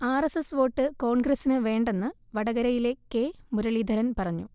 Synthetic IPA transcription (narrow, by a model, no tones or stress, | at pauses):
aːresesʋo̞ːʈːɨko̞ːɳɡɾɐsinɨʋe̞ːɳɖe̞nːɨʋɐɽɐɣɐɾɐjile̞kːe̞muɾɐɭid̪ʱɐɾɐnpɐrɐɲːu